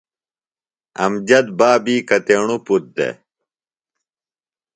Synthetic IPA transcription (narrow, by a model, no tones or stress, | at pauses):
ɐ̰md͡ʑɐd̪baːbiːkɐt̪eːɳuput̪̚d̪ḛ